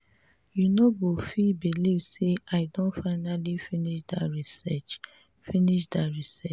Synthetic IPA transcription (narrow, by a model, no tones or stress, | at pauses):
junobofibilivseaɪdõntfaɪnalifiniʃdaɹisɛt͡ʃ | finiʃdaɹisɛt͡ʃ